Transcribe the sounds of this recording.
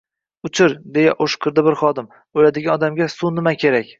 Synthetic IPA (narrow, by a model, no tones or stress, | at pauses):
ʊt͡ʃʰɪɾd̪e̞jaʔoʃqʰɨɾd̪abɪɾχɒd̪ɪm | ojlad̪ɪɡʲanɒd̪amɡʲasunɪmakʲʰe̞ɾakʲ